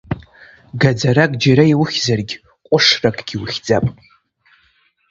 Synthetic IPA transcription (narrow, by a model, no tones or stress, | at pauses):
ɡad͡zaɾakʼd͡ʒaɾaiwʊχʲzarɡʲ | qʷʼʊʂrakʼɡ̥ʲiwʊχʲd͡zʼapʼ